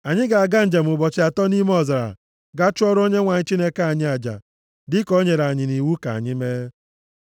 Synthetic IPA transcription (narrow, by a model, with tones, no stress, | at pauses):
a˨ɲɪ˦ɡa˨a˨ɡa˦n̩˦d͡ʒa˨m̩˨ʊ˨bɔ˨t͡ʃɪ˦a˨tɔ˦ni˦m˦ɔ˦˨za˨ɾa̰˨ | ɡa˦t͡ʃʊ˦ɔ˦ɾo˦ɲe˦ŋʷa˨ɲɪ˦t͡ʃi˦ne˦ka˦a˨ɲɪ˦a˨d͡ʒa̰˨ | dɪ˦ko˦ɲe˨ɾa˨ɲɪ˨ni˨wu˦ka̰˨ɲɪ˦me˦